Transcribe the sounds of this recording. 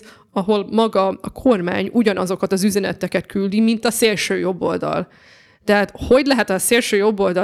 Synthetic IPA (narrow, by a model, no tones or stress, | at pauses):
ɒɦo̞lmɒɡɒɒkʰo̞rma̰ːɲuɟɒnɒzo̞kɒt̪ɒzyzɛnɛt̪ɛkɛt̪kyld̪imint̪ɒseːlʃøːjo̞bːo̞̰ld̪ɒ̰l | t̪ɛɦaːt̪ho̞ɟlɛɦɛt̪ɒseːlʃøːjo̞bːo̞ld̪ɒ